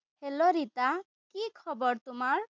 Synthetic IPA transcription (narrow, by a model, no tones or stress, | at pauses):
heloɾit̪a | kikʰɔbɔɾt̪umaɾ